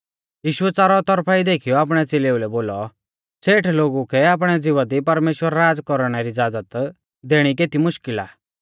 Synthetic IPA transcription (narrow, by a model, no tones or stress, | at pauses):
jiːʃuɛt͡saːɾɔt̪ɔɾpʰaid̪eːkʰijɔaːp̬ɽ̃ɛt͡seleulɛboːlɔ | sʰeːʈʰloːɡukʰɛaːp̬ɽ̃ɛd͡zɪʋad̪ipɐɾmeːʃwəɾɾaːd͡zkɔɾɽ̃ɛɾid͡zaːd̪ət̪ | d̪eɽ̃ikeːt̪imʊʃkɪla̰ː